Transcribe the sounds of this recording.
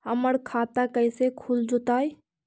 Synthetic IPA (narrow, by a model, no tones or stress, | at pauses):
ɦəməɾkʰat̪akəɪsekʰuld͡ʒut̪aj